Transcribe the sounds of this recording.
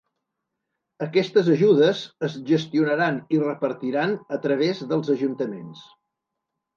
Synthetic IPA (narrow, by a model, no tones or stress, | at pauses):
əkɛst̪əzəʒuðəzəzʒəst̪iunəɾanirəpəɾt̪iɾanət̪ɾəβ̞ezðəlˠzəʒunt̪əmens